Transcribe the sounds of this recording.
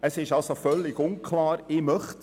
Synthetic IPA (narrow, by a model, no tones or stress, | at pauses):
əsɪʃɑlsofœlːɪɡʊnkʰlɑːɾɪmœχt